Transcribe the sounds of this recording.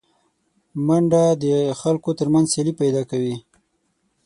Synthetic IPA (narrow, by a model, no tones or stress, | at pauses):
maɳɖad̪əxalkot̪əɾmanzselipajd̪ɑkawi